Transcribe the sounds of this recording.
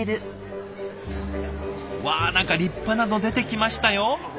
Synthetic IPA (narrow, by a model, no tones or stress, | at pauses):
ɾɯ̟ | βaːnãŋkaɾʲipːanad̪o̞d̪e̞t̪e̞kʲimaɕi̥t̪ajo̞